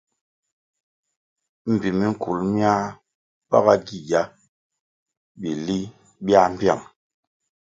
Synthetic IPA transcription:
m̩˨bi˨mi˦ŋ̩˦˨ku˨lmja˦ | pa˦ɣa˦ɡi˨ja˦ | bi˨li˦ | bja˦m˦bja˦˨ŋ

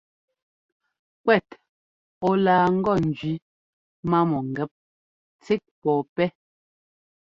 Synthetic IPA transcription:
kwɛ˦˨t | ɔ˦laː˨ŋ̩˦ɡɔ˦˨n̩˨d͡ʒɥi˨˦ | ma˦mɔ˨ŋ˨ɡɛ˦p̚ | t͡se˦k̚pɔː˨pɛ˦

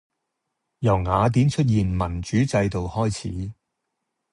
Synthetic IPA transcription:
jɐ˨˩wŋaː˨˧t̪̬iː˨˥nt͡ʃʰɵ˥t̬̚jiː˨nmɐ˨˩nt͡ʃyː˨˥t͡sɐ˧jt̪o˨whɔː˥jt͡sʰḭː˨˥

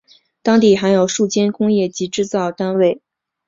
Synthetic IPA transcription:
t̪ɑ˥ŋt̪i˥˩xa˧˥ɪjo˨˩ʊʂu˥˩t͡ɕjɛ˥nkʊ˥ŋjɛ˥˩t͡ɕi˧˥ʈ͡ʂɻ̩˥˧t͡sɑ˥˩ʊt̪a˥nwe˥˩ɪ

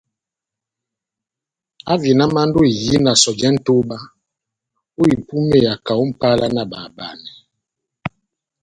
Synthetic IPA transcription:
a˦vi˨na˦ma˦n̩˦do˦i˨ji˦na˨sɔ˨d͡ʒɛ˦n̩˦to˦ba˦ | o˦i˨pu˦me˦˨ja˨ka˨u˦m̩˦˨pa˦lʔa˦na˦˨ba˨ba˨nɛ˨

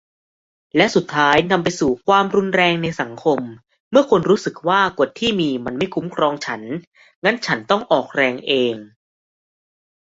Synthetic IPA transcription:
lɛ˦˥ʔsu˨˩t̪ʰːaː˦˥jna˧mpa˧jsuː˨˩kʰwaː˧mɾu˧nɾɛː˧ŋna˧jsa˩˦ŋkʰo˧mː | ɯ˥˩ɐkʰo˧nɾuː˦˥sɯ˨˩k̚waː˥˩ko˨˩t̪ʰːiː˥˩miː˧ma˧nma˥˩jkʰu˦˥mkʰɾɔː˧ŋt͡ɕʰa˦˥n | ŋa˦˥nt͡ɕʰa˦˥nt̪ɔ˥˩ŋʔɔː˨˩k̚ɾɛː˧ŋʔeː˧ŋ

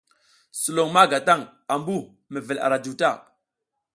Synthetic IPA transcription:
su˨lo˨ŋma˦ɡa˨ta˦˨ŋ | a˨mbu˦˨ | me˨vi˨la̰˨ɾa˨du˨ta˦˨

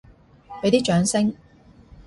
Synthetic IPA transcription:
pe˨˥t̪iː˥t͡ʃœː˨˧˥ŋsɪ˥ŋ

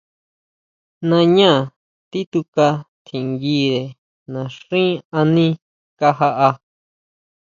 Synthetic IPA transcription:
nã˧ɲã˦˨ | t̪i˦t̪u˧ka˧t̪ʰĩ˨ŋɡi˦ðe˨ | nã˨ʂĩ˦a˧nĩ˦ | ka˦ɦa˧ʔa˧

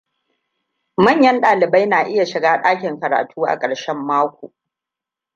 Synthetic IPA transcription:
mɐ˦˨ɲjɐ˦nɗaː˨lɪ˨ba˦jnaː˨ʔɪ˦ja˨ʃɪ˨ɡaː˦ɗaː˦kʲɪ˨ŋkɐ˨ɾa̰ː˨tʰuː˦ʔa̰˨kʼɐ˨ɽʃɛ˦mːaː˦kʷo̰ː˨

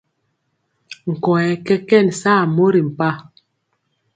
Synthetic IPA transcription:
ŋ̩˨kɔ˨ɛ˨kɛ˦kɛ˦˨nsaː˦˨mo˦ɾi˨m̩˨pa˦

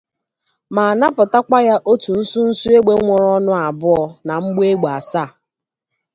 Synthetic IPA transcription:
ma˨na˦pʊ˨ta˦ka˦ja˦ʔo˦tu˨n̩˦su˦n̩˦su˦e˦ɡ͡be˦ŋʷɔ˨ɾɔ˦nʊ˦a˨bʊ˦ɔ˨na˨ŋ͡m̩˦ɡ͡be˦ɡ͡ba˨sa˦˨

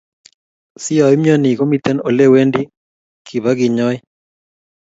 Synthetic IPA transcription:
si˦a˨i˦mjɔ˦ni˨ko˦mi˦t̪ɛ˦nɔ˨le˦we˦ndi˦ | kʰi˨βa˦ɡɪ˨ɲɔ˦i˦

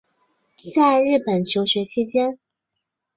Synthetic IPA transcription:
t͡sa˥˧ɪɻɻ̩˥˩pə˨˩nt͡ɕʰjo˧˥ʊɕɥɛ˧˥t͡ɕʰi˧˥t͡ɕjɛ˥n

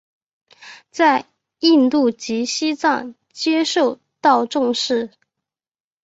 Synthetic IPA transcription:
t͡sa˥˧ɪ | i˥˧nt̪u˥˩t͡ɕi˧˥ɕi˥t͡sɑ˥˧ŋ | t͡ɕjɛ˥ʂo˥˧ʊ | t̪ɑ˥˧ʊʈ͡ʂʊ˥˧ŋʂɻ̩˥˩

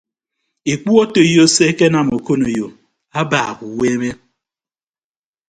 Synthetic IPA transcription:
i˨k͡pu˦ɔ˦to˨jo˦se˦ke˦na˨mo˨ko˦no˨jo˨ | a˦ba̰˨ku˨we˦me˦

